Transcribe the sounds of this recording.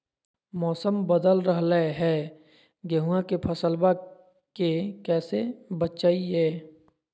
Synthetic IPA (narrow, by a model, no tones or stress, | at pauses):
mɔːsəmbəd̪əlɾəɦləɦɛː | ɡəɦuãkepʰəsəlba | kekɛːsebətt͡ʃaːiɦɛː